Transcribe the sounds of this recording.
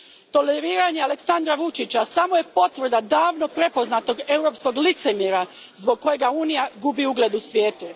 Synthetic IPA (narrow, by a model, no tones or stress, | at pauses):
t̪o̞leɾiːɾaɲeale̞ksand̪ɾaʋut͡ʃit͡ɕasamoje̞po̞t̪ʋrd̪ad̪aːʋno̞pɾe̞po̞znat̪o̞ɡe̞wɾo̞ːpsko̞ɡlit̪se̞miɾa | zbo̞ɡ̚kːo̞je̞ɡauːnijaɡubiuɡle̞d̪usʋjeːt̪u